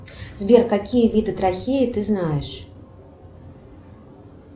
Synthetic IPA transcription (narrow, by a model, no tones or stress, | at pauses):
zʲbʲɛrkakʲijɐvʲid̪ɨt̪ɾaxʲejit̪ɨznajɛʂ